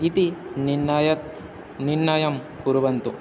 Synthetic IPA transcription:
it̪iniɐjɐt̪ | niɾnːaːjɐmkuɾuʋɐnt̪u

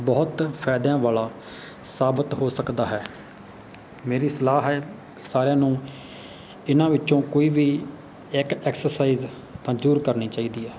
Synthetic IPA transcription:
bɔːt̪pʰɛːd̪ãːʋaːlaː | saːbət̪ɦoːsəkd̪aːɦɛː | meːɾiːsəlaːɦɛː | saːɾjãːnũː | ɪnãːʋɪtːʃõːkoːiːʋiː | ɪkɛːksəɾsaːiːz | t̪ãːd͡ʒuːɾkəɾniːt͡ʃaːiːd̪iːɦɛː

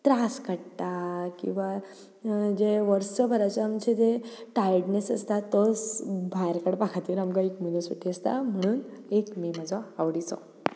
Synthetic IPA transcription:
t̪ɾaskəɽt̪akḭ̃w̃ʋa | d͡ʑeʋəɾsəbʱəɾat͡səamt͡ɕed͡zeʈajəɽnesəst̪at̪ːɔsbʱajɾkəɽpakʰat̪iːɾamɡaekmunəsəʈʰːiəst̪a̰m̤əɽ̃uːnekmeməd͡zʋaːʋɽit͡sɔ̰̃

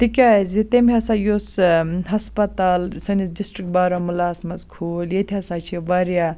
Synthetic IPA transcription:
t̪ikʲazit̪emʲɐsajosɦɐspɐt̪aːlsɐnisdisʈɾik̚baɾomɐlaːsmɐzkʰoːljet̪ʰiɐsat͡ʃʰiʋaɾja

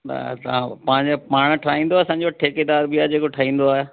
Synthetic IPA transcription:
na̰t̪ɐʋãpãːɪ̃ɲd͡ʑepaːɽ̃ʈʰaːĩːn̆d̪oɐsãːɲd͡ʑoʈʰeːked̪aːɾbɪaːd͡ʑeːkoʈʰaːɦĩːn̆d̪oaːɦe

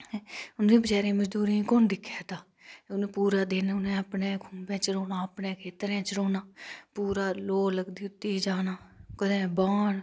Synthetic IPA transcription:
ʊnd̪ĩːbət͡ʃaːɾẽːməd͡ʒd̪uːɾĩːkoːnd̪ɪkʰːjaːt̪aː | ʊnẽːpuːɾaːd̪eːnaːʊnẽːəpnẽːkʰũːmbẽːt͡ʃəɽoːnaːəpnẽːkʰeːt̪əɾẽːt͡ʃəɽoːnaːpuːɾaːloːləɡd̪iːʊt̪ːiːd͡ʒaːnaːkəd̪ẽːbaːn

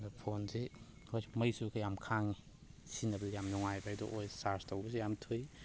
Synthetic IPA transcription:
ɡɐpʰonzi | hojsmɐjsukʰajamkʰaŋi | sinɐbɐzijamnuŋajbaajdɔʔojsaɾstowbɐsijamtʰuj

